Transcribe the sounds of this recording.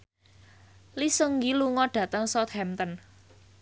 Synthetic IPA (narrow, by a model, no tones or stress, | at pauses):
lisəŋɡiluŋɔɖ̥ä̤t̪əŋsɔt̪̚hɛmt̪ən